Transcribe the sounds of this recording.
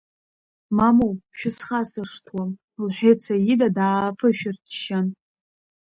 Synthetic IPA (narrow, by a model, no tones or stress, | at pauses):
mamowʃᶣʊsχasɨʂtʰwa | lħʷᶣet͡sʰajidadapʰɨʃᶣɪrtʰʃan